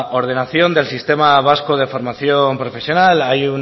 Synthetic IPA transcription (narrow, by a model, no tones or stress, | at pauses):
o̞ɾð̞e̞naθjo̞nd̪e̞lsist̪e̞maβ̞askoð̞e̞fo̞ɾmaθjo̞mpɾo̞fe̞sjo̞nalajun